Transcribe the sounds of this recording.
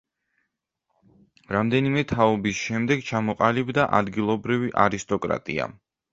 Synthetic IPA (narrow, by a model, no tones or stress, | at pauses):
ɾamd̪ɛnimɛt̪ʰaɔbisʃɛmd̪ɛɡt͡ʃʰamɔqʼalibd̪aʔad̪ɡilˠɔbɾiviʔaɾist̪ʼɔkʼɾa̰t̪ʼḭa̰